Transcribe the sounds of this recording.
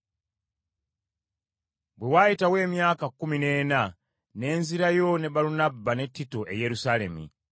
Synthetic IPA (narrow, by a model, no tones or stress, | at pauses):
bwewajitawe̞ːmjaːkakːumine̞ːna | ne̞ːnziɾajo̞ne̞baɾunabːane̞tːitoʔe̞̰je̞ɾusale̞̰mḭ